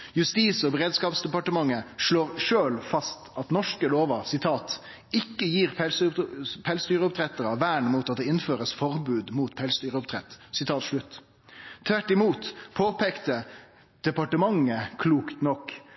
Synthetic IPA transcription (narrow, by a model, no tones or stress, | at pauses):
jʉst̪iːsɔbəʁeːd̪skɑːpsd̪ɛpɑʈəmɑŋːəʂɭoːɾʂøːlfɑst̪ɑt̪nɔʂkəloːʋəɾsɪt̪ʰɑːt̪ | ɪkːəjiːʁpʰɛspʰɛlsd̪yːɾəʊpt̪ʰɾɛt̪əɾɑʋæːɳɛmuːt̪ɑt̪̚d̪ɛɪnføːɾəsfɔɾbʉːd̪muːt̪pʰɛlsd̪yːɾəʊpt̪ʰɾɛt̪ːsɪt̪ʰɑːt̪ʂɭʉt̪ʰː | ʋæʈːɪmuːt̪pʰoːpʰeːkt̪ə | d̪̥ɛpɑʈəmɑŋːəkʰluːkt̪nɔkː